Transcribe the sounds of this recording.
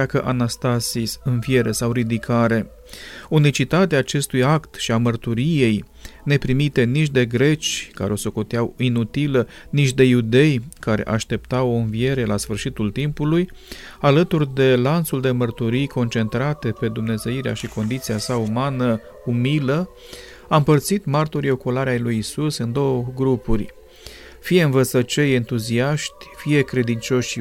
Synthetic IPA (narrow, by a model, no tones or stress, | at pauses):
akəʔanast̪asisɨnvie̞ɾe̞sawɾid̪ikʰaɾe̞ | unit͡ʃit̪at̪eaːt͡ʃe̞st̪ujakt̪ʃiamərt̪uɾije̞j | ne̞pɾimit̪e̞nit͡ʃʲd̪e̞ɡɾe̞t͡ʃʲka̰ɾeo̞so̞ko̞t̪eawinut̪ilə | nit͡ʃʲd̪e̞jud̪e̞jkaɾe̞̰ʔaʃt̪e̞p̚t̪awo̞ɨnvie̞ɾe̞lasfɨrʃit̪ult̪impuluj | alət̪urʲd̪e̞lant̪suld̪e̞mərt̪uɾijko̞nt͡ʃe̞nt̪ɾat̪e̞pe̞d̪umne̞ze̞iɾeaʃiko̞nd̪it̪siasaumanə | umilə | aɨmpərt̪sit̪mart̪oɾio̞kolaɾeajlujisusɨnd̪o̞wəɡɾupurʲ | fije̞ɨnvət̪sət͡ʃeje̞nt̪uziaʃt̪ʲfije̞kɾe̞d̪int͡ʃo̞ʃ